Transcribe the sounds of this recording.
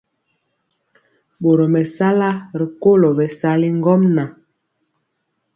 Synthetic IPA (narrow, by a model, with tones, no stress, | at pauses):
ɓo˨ɾɔ˨mɛ˨sa˦la˦ɾi˨ko˦˨lɔ˨bɛ˨sa˦li˦ŋ˦ɡɔ˦mna˨